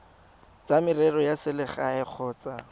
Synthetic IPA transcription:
t͡samɪrɛrɔjasɪlɪχaɛk͡xʰɔːt͡sʼa

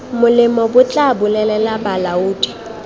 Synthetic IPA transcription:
mʊlɪmɔbʊt͡ɬʼabʊlɛlɛlabalauːdi̥

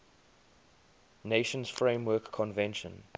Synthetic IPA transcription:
neʃə̃nsfɹẽmwɜːˑkʰːɔ̃nvɛ̃nʃə̰̃n

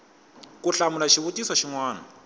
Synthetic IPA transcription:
kuɬamulaʃiβutisaʃiŋwaːna

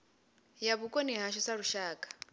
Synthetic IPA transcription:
jaβukʼoniɦaʃɔsaɺuʃaːkʼḁ

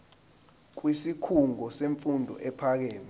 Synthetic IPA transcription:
k̬wisikʰuŋɔseɱfundʱɔ̰ʔɛpʰak̬eːni

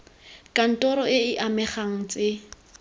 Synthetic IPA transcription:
kʼan̩tʼɔɾɔɪɪʔamɛχaŋ̩t͡sʼɪ

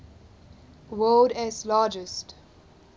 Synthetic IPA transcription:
wɜldɛslaːd͡ʒɪst

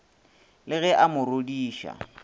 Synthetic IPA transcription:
lɪɣɛʔamʊrodiːʃa̰

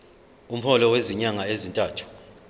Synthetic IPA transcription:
um̩hɔlɔweziɲaŋaezintʼaːtʰu̥

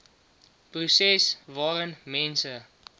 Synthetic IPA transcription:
prusɛsvɑːʁənmɛnsə

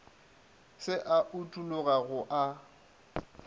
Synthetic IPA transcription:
sɪʔaʔʊtʼulʊɣaɣʊʔa

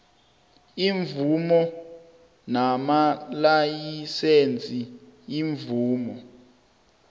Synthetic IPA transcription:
iɱvumɔ | namalajisent͡sʼiiɱvuːmɔ

